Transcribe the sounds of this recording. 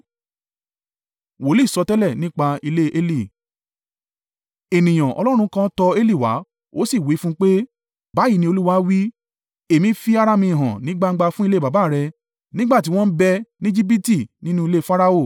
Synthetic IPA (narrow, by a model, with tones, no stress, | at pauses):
wo˨˦li˦˨sɔ˧tɛ˦lɛ˦˨nĩ˦k͡pa˧i˧le˦ʔe˦li˦˨ | e˨nĩ˨j̃ã˨ʔɔ̰˧lɔ˦ɾ̃ũ˧˦˧kã˦tɔ˧e˦li˦˨wa̰˨˦ | o̰˦si˦˨wi˨˦fũ˦k͡pe˦ | ba˨˦ji˦˧nĩ˧˦o˧lu˦wa˦wi˦ | e˨mĩ˦fi˦a˦ɾa˦mĩ˧˨ɦã˨nĩ˨˦ɡ͡ba˦˧ŋ̩˦ɡ͡ba˧fũ˦i˦˧le˦˨ba˨ba˦˨ɾɛ˧ | nĩ˦ɡ͡ba˦˨t̬i˨˦w̃ɔ̃˦bɛ˧nĩ˦d͡ʒi˦bi˦ti˦˨nĩ˦nũ˦i˧le˦fa˦ɾa˦o˦˨